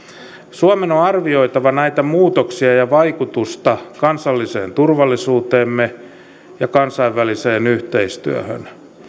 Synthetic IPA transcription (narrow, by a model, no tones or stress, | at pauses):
suɑmenoɑrʋioit̪ɑʋɑnæit̪æmuːt̪oksiɑjɑʋɑikut̪ust̪ɑkɑnsɑlːisḛːnt̪urʋɑlːisuːt̪eːmːe | jɑkɑnsɑiʋːæliseːnyht̪eist̪y̰ø̰hø̰n